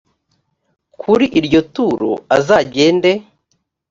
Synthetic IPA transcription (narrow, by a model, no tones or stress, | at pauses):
kkʰuɾiʔiɾɟo̞tuːɾo̰azaːɟe̞ːnde̞